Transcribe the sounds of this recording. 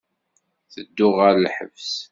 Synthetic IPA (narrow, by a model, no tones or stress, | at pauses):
θəd̪ːʊʁəɾlħə̰vs